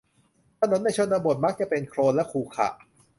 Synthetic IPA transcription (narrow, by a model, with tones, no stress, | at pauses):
t̪ʰa˧no˧˦˥nːa˧˩jt͡ɕʰo˧˥˨nt̪a˧bo˨˩t̪̚ma˦˥k̚t͡ɕa˨˩pe˧nkʰɾoː˧nlɛ˦˥ʔkʰuː˨˧˩kʰa̰˨˩ʔ